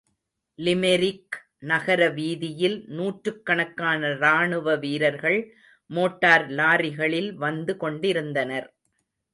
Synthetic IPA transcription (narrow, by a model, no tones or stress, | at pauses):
lɪmɛɾɪk | nɐɣɐɾɐʋiːðɪjɪlnuːʈɾɯkːɐɳɐkːaːnɐɾaːɳɯʋɐʋiːɾɐɾɣɐɭ | moːʈːaːɾlaːɾɪɣɐɭɪlʋɐnd̪ɯkɔɳɖɪɾɯnd̪ɐnɐɾ